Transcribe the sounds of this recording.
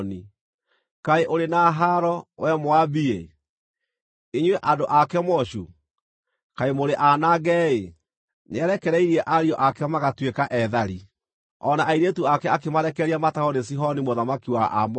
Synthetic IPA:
ni | kaeʔoɾenaɦaɾɔwɛmwabie | iɲweʔandoʔakɛmɔʃu | kaemoɾeʔanaɣɛe | neaɾɛkɛɾɛiɾiɛʔaɾiɔʔakɛmaɣatwekaʔɛðaɾi | ɔnaʔaiɾetuakɛakemaɾɛkɛɾiamatahɔnes̬iɦɔnimoðamakiwaʔamɔ

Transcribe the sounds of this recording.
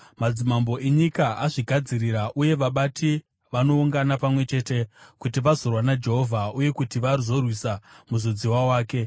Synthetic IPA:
mad͡zimambo̞ʔeɲikaaʐiɡʱad͡ziriɾaʔuje̞ʋaɓatʰi | ʋano̞uŋɡanapamwe̞t͡ʃe̞ːte̞kutiʋazo̞rwanad͡ʒe̞ɦo̞vʱauje̞kutiʋarizo̞rwisamuzod͡ziwawaːke̞

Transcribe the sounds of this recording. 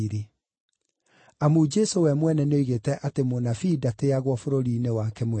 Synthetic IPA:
ɾi | amuːd͡ʒɛsowɛmwɛnɛneoiɣetɛʔatemonafidateaɣwɔfoɾoɾiːnewakɛmwɛ

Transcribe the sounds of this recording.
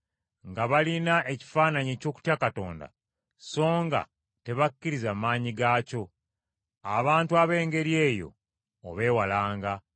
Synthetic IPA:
ŋɡaβalinae̞ci̥faːnaɲeːco̞ːku̥tjakato̞̰ːnda̰ | so̞ːŋɡa̰ | te̞βakːiɾizaːmaːɲiɡaːco̞ | aβaːntuaβe̞ːŋɡe̞ɾje̞ːjo̞̰ː | βe̞ːwalaːŋɡa

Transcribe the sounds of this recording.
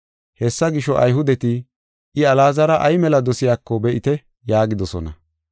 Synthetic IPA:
hɛsːɐɡɪʃɔʔɐjɦʊd̪ɛt̪ɪ | ɪɐlaːzɐɾɐʔɐjmɛlɐd̪ɔsɪjaːkːɔbɛʔɪt̪ɛ | jaːɡɪd̪ɔsɔnɐ̰

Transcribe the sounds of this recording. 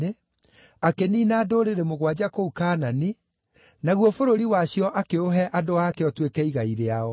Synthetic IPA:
e | akeniːnaːdoːɾeɾemoɣwad͡ʑakoukaːnani | naɣwɔfoɾoɾiwaɕjɔʔakeoɦɛʔadoakeɔtwekɛiɣaiɾeaɔ

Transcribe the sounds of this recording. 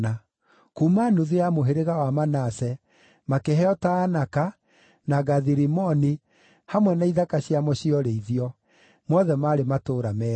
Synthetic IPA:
a | kuːmanuðeamoɦeɾeɣawamanasɛ | makeɦɛɔtaːnaka | naɣaðiɾimɔni | hamwɛnaiðakaɕjamɔɕiɔɾeiðiɔ | mɔðɛmaːɾematoːɾamɛ

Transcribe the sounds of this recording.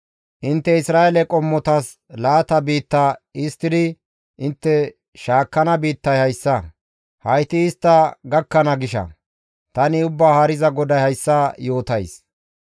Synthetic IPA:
ʔɪnt̪ːɛɪsɾaːelɛkʼɔmːɔt̪ɐs | laːt̪ɐbiːt̪ːaːɪst̪ːɪd̪ɪ | ʔɪnt̪ːɛ | ʃaːkːɐnɐbiːt̪ːɐjhɐjsːɐ | hɐjt̪ɪːst̪ːɐɡɐkːɐnɐɡɪʃɐ̰ | t̪ɐnɪʊbːaːhɐɾɪzɐɡɔd̪ɐjhɐjsːɐjo̞ːt̪ɐjs

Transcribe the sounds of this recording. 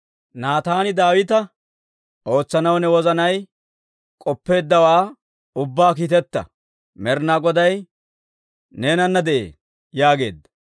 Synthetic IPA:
naːt̪aːnɪd̪aːwɪt̪ɐ | ʔo̞ːt͡sːɐnɐwnɛwɔzɐnɐj | kʼɔpːe̞ːd̪ːɐwaː | ʊbːaːk̬iːt̪ɛt̪ːɐ̰ | mɛɾnaɡɔd̪ɐj | neːnɐnːɐd̪ɛʔḛː | jaːɡe̞ːd̪ːɐ̥

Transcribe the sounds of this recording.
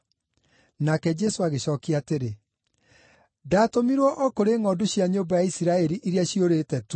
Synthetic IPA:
nakɛd͡ʒɛsoaɣeɕɔːkiateɾe | daːtomiɾwɔʔɔkoɾeːŋɔdoɕjaɲoːbajaisiɾaɛɾiʔiɾiaʃioɾetɛtu

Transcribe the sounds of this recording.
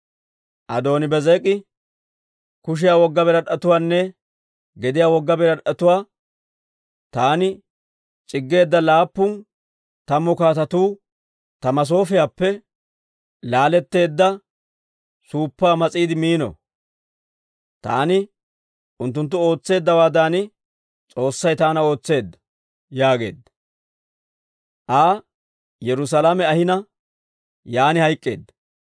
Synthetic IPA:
ʔɐd̪o̞ːnɪbɛzɛːkʼːɪ | kʊʃ̬ɪjaːwɔɡːɐbɛɾɐɗɐt̪ʊwaːnːɛ | ɡɛd̪ɪjaːwɔɡːɐbɛɾɐᶑɐt̪ʊwaː | t̪aːnɪ | t͡ʃʼɪɡːe̞ːd̪ːɐlaːpːʊn | t̪ɐmːɔkaːt̪ɐt̪uː | t̪ɐmɐs̬o̞ːfɪjaːpːɛ | laːlɛt̪ːe̞ːd̪ːɐ | suːpːaːmɐt͡sʼiːd̪ɪmiːnɔ̰ | t̪a̰ːnɪ | ʔʊnt̪ːʊnt̪̬ːʊo̞ːt͡sːe̞ːd̪ːɐwaːd̪aːnɪ | t͡sʼo̞ːsːɐjt̪aːnɐo̞ːt͡sːe̞ːd̪ːɐ̥ | jaːɡe̞̰ːd̪ːɐ | ʔaː | jɛɾʊs̬ɐlamɛɐhɪnɐ | jaːnɪhɐjkʼːeːd̪ːɐ

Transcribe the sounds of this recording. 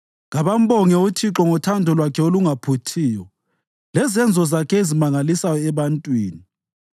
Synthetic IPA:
ŋɣaβam̩bɔŋɛutʰiǁɔŋɔtʰandʱɔlwakʰɛoluŋapʰutʰiːjɔ | lɛzɛnd͡zʱɔzakʰɛezimaŋalisajɔɛβantʼwiːni

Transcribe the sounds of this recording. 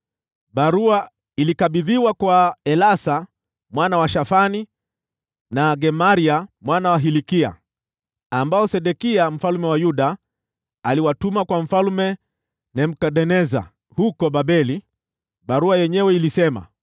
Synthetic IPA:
ɓaɾua | ilikaɓiðiwakwaɛlasa | mwanawaʃafani | naɡɛmaɾiamwanawaɦilikia̰ | ambaɔsɛɗɛkiam̩falmɛwajuɗaː | liwatumakwam̩falmɛ | nɛm̩kaɗɛnɛza̰ | hukɔɓaɓɛli | ɓaɾuajɛɲɛwɛilisɛma̰

